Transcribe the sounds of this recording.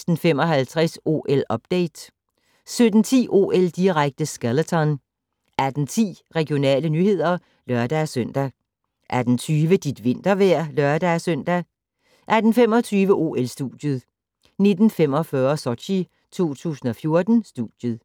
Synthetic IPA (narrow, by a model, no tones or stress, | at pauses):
sd̥n̩fem̰ɒ̽ɦælt͡sʰʁɛso̝̰ːʔelɒ̽b̥̚d̥eɪd̥ | sød̥n̩t͡sʰḭːʔo̝̰ːeld̥iʁaɡ̥̚d̥əsɡ̥ælət͡sʰɒn | æd̥n̩t͡sʰḭːʁɛɡ̥ijo̝nɛ̰ːlənyhe̝ð̞̰ˠɐ | lɶɐd̥æsøn̰d̥æ | ʔæɐd̥en̩t͡sʰyːʋəd̥id̥ʋe̝n̰d̥ɐʋæɐ̰lœɐd̥æsøn̰d̥æ | ʔæd̥n̩fem̰ɒ̽t͡sʰyːʋəʔo̝ːelsd̥uːd̥jəð̩ˠ | ne̝d̥n̩fem̰ɒ̽fɶːɐsɒɕi | t͡sʰo̝̰ːt͡sʰṵːsn̩ɒ̽fjo̝ɐd̥n̩sd̥ṵd̥jəð̩ˠ